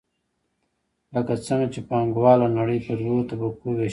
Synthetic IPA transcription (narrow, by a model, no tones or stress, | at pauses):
ləkat͡səŋɡat͡ʃepɑŋɡwɑlonaɽəjpəluot̪abakuwe